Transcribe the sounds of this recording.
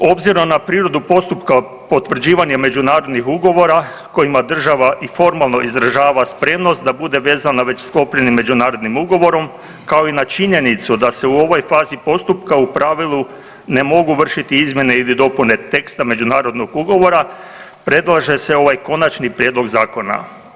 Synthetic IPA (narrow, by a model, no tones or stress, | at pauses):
o̞bziɾomnapɾiːɾo̞d̪upo̞st̪upka | po̞t̪ʋr̩d͡ʑiːʋaɲeme̞d͡ʒunaːɾo̞d̪nixuɡo̞ʋo̞ɾa | ko̞imad̪r̩ʒaʋaʔifo̞ɾmalˠno̞ʔizɾaʒaːʋaspɾe̞mno̞st̪̚d̪abud̪e̞ʋe̞ːzanaʋe̞t͡ɕsklo̞pʎenimːe̞d͡ʑunaːɾo̞d̪nimuɡo̞ʋo̞ɾo̞m | kao̞inat͡ʃiɲe̞nit̪sud̪ase̞uo̞ʋo̞jfaːzipo̞st̪upkaupɾaʋilˠu | ne̞mo̞ɡuʋr̩ʃit̪iizmje̞ne̞ilid̪o̞pune̞t̪e̞kst̪ame̞d͡ʑunaːɾo̞d̪no̞ɡuɡo̞ʋo̞ɾa | pɾe̞d̪lˠaʒe̞se̞o̞ʋajko̞nat͡ʃnipɾjeːd̪lo̞ɡzaːko̞na̰